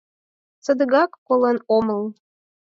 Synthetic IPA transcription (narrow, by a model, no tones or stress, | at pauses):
t͡sə̆d̪əɣɑkːolɤnoməl